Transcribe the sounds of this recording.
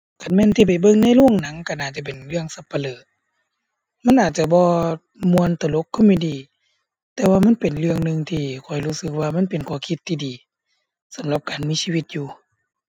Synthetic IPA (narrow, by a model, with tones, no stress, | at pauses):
ka˨nmɛː˧˥˨t̪ʰiː˧p̬a˨˩jbɤ˧˨ŋna˧˥˨jlu˧˥˩əŋna˨˦ŋka˧˩nʔaː˨˩t̪̚t͡ɕa˧˩p̬e˨˩nlɯ˧˩əŋsa˧˦pːa˧lɤː˨˩t̪̚ | ma˧˥˨nʔaː˨˩t̪̚t͡ɕa˧bɔː˧ | mu˧˨ənt̪a˨˧˩lo˧˥kʰːɔ˧˩˨miː˧˨diː˨˩ | t̪ɛː˧waː˧ma˧˥˨npe˨˩nlɯ˧əŋnɯ˧ŋt̪ʰiː˧kʰɔ˨˩jhuː˧˩sɯ˧k̚waː˧ma˧˥˨npe˨nkʰɔː˧˩˦kʰi˧˦t̪ʰːiː˧diː˨ | sa˨˦mla˧˦p̚kaː˨nmiː˧˥˨siː˧wi˧t̪̚juː˧